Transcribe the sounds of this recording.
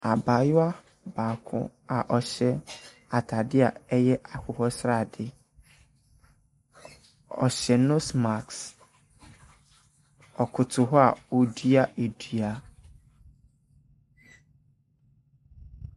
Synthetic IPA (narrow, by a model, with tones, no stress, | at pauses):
a˨ba˨jʊ˦a˦ | baː˨kʰʊ̰̃˦a˨ʔɔ˨ɕɛ˦ | a˨tʰa˨dɪ˦a˨ɛ˦jɛ˦a˨kʰʊ˨hɔ˦sɾa˨dɪ˦ | ɔ̰˨ɕɛ˨nõ˦sma˨ks | ɔ˨kʰʊ˨tʰʊ˨ɦɔ˦a̰˨o˨dɥi˦a˦ʔe˨du˨a˨